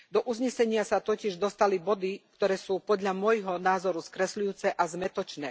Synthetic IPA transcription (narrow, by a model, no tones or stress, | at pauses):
d̪ɔʔuzɲɛsɛɲɪasat̪ɔcɪɛʒd̪ɔst̪alibɔd̪ikt̪ɔɾɛːsuːpɔd̪ʎamʊɔjɦɔnaːzɔɾuskɾɛslujuːt͡sɛʔazmɛt̪ɔt͡ʃnɛ̰ː